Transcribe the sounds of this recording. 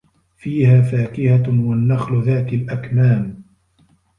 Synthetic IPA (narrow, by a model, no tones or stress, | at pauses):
fiːhaːfaːkɪhawanːaxlðaːt̪alʔakmaːm